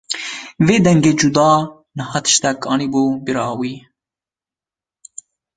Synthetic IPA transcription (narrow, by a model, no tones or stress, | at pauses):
veːd̪ɛŋɡeːd͡ʒud̪ɑː | nɨhɑt̪ʰɨ̥ʃt̪ɛkɑːniːbuːbiɾɑːwiː